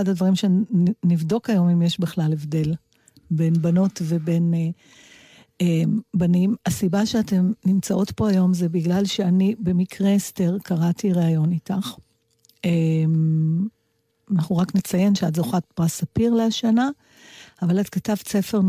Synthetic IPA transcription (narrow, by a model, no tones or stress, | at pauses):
adadvaʁimʃenivdo̞kajo̞mimjeʃbiχlalevde̞l | be̞nbano̞tve̞be̞ne | embanimasibaʃeate̞mnimt͡saʔo̞tpo̞ajo̞mzebiɡlalʃeanibe̞mikʰʁesteʁkʰaʁatiʁeajo̞nitaχ | em | anaχuʁaknet͡saje̞nʃeadzoχatpʁasapiʁleaʃanaː | valatkatavt͡se̞fe̞ʁ